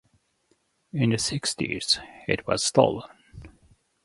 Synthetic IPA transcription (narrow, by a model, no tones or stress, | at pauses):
ɪ̃nðɨsɪkstḭz̥ɪ̰t̚ʰwʌ̰z̥stolˠə̃n